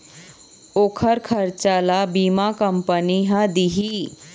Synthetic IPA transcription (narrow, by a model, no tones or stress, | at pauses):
okʰəɾkʰəɾt͡ʃalabimakəmpəniɦəd̪iɦi